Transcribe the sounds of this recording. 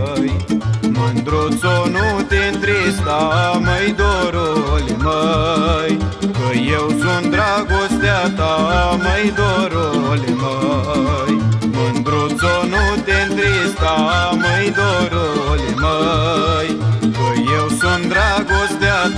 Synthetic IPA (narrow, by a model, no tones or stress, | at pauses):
jmənd̪ɾot͡sonut̪ent̪ɾist̪aməjd̪oɾoleməjkəjewsund̪ɾaɡost̪jat̪aməjd̪oɾolemə | jmənd̪ɾot͡sonut̪ent̪ɾist̪aməjd̪oɾoleməjkəjewsund̪ɾaɡost̪ja